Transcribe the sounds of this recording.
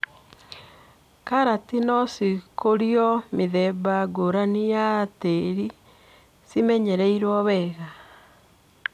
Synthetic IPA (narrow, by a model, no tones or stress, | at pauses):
kaɾatinɔsikʰoɾiɔmiðɛbaɡoɾanijateɾi | simɛɲɛɾɛiɾwɔβɛɣa